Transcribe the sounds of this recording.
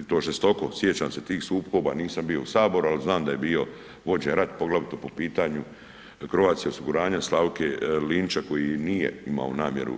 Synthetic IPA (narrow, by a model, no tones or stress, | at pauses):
t̪oːʐest̪o̞ko̞sjet͡ɕaːmse̞t̪iːxsuːpko̞ːba̰ːniːsambijo̞usaːbo̞ɾualiznaːmd̪aje̞biːo̞ | ʋo̞d͡ʑeɾat̪po̞ɡlaʋit̪opo̞piːt̪aɲu | krʋaːt̪sjeo̞siɡuɾaːɲaslawkeliːnt͡ʃako̞jinijḛima̰o̰na̰ːmje̞̰ɾṵ